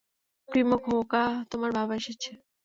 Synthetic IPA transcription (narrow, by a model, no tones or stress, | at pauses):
pɾimokɦokat̪omaɾbʱabaʃet͡ɕʰe